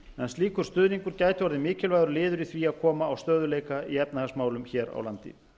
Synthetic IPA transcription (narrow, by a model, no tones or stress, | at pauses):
ɛnsliːkʏɾ̥st̪ʏːðniŋkʏɾ̥caːjt̪ɪvɔɾðɪmɪːcɪlvajðɾʏlɪːðʏɾiθviaðkʰɔːmaːwst̪œːðʏleːjkaiɛpnahasmaːwlʏmçɛːɾa̰wlant̪ɪ̰